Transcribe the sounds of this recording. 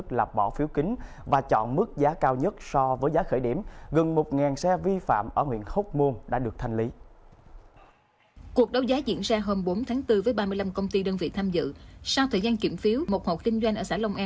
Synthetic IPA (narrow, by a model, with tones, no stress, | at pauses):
k̚laː˨˩p̚ɓɔ˧˩fi˨˦wkï˨˦ŋ̟ | vaː˨˩t͡ɕɔ̰˧˨nmɨ˦˥k̚zaː˨˦kaː˧wɲə˦˥t̚sɔ˧vəː˨˦jzaː˨˦xəː˧˩jɗi˧˩mɣə˨˩nmo˨˩t̚ŋaː˨˩nsɛ˧vi˧fa̰ː˧˨mʔəː˧˩hw̰ənxə˦˥t̚mo˧nɗa̰ː˧˥ɗɨ˨˩ək̚t̪ʰa˧jŋ̟li˨˦ | ku˨˩ək̚ɗə˨˦wzaː˨˦zḭ˧˥ənzaː˧ɦoː˧mɓo˨˦nt̪ʰaː˨˦ŋt̪ɨ˧vəː˨˦jɓaː˧mɨ˧əla˧mkə˧wŋ͡mt̪i˧ɗəː˧nvḭ˧˨t̪ʰaː˧mzɨ̰˧˨sa˧wt̪ʰəː˨˩jzaː˧nki˧˩mfi˨˦əwmo˨˩t̚ho˨˩t̚kï˧ŋ̟zwa˧jŋ̟ʔəː˧˩saː˧˩lə˧wŋ͡mʔaː˧˦